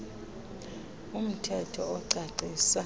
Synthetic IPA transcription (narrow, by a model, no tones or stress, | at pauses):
um̩tʰɛtʰɔɔǀaǀʱisa